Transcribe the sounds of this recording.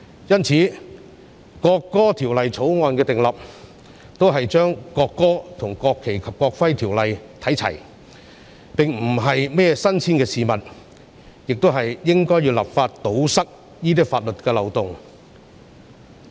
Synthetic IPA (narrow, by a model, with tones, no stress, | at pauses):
jɐ˥nt͡sʰiː˨˥ | kɔː˧kːɔː˥t̪ʰiː˨˩wlɐ˨jt͡sʰo˨˥wŋɔː˧nkɛː˧t̪ɪ˨˩ŋlɐ˨p̚ | t̪o˥wɦɐ˨jt͡ʃœː˥ŋkɔː˧kːɔː˥t̪ʰʊ˨˩ŋkɔː˧kʰːe˨˩jkʰɐ˨p̚kɔː˧k̚fɐ˥jt̪ʰiː˨˩wlɐ˨jt̪ʰɐ˨˥jt͡sʰɐ̰˨˩j | pɪ˨ŋm̩˨˩ɦɐ˨jmɛː˥ɛ˧sɐ˥nt͡sʰiː˥nkɛː˧siː˨mɐ˨t̚ | jɪ˨k̚t̪o˥wɦɐ˨jjɪ˥ŋkɔː˥ji˧wla̰ː˨p̚faː˧tt̪o˨˥wsɐ˥k̚ | jiː˥t̪̬iː˥kfaː˧t̚lɵ˨t̚kɛː˧lɐ˨wt̪ʊ˨ŋ